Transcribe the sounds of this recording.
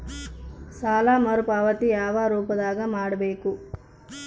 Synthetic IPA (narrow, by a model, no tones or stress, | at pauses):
saːlaːmɐɾupaːʋɐt̪ijaːʋaɾuːpɐd̪aːɡɐmaːɽɐbeːku